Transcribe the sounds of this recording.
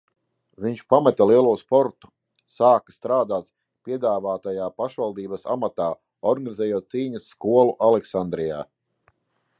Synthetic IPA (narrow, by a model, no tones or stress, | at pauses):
viɲt͡ʃpamɛt̪alˠiɛlˠuːspɔɾt̪u̥ | saːkḁst̪ɾaːd̪aːt̪ | pʲiɛd̪aːvaːt̪ajaːpaʃvalˠd̪iːbɐsa̰mat̪aː | ɔɾɡanizɛjuɔt̪siːɲɐsːkuɔlˠuʔalɛksand̪ɾija̰ː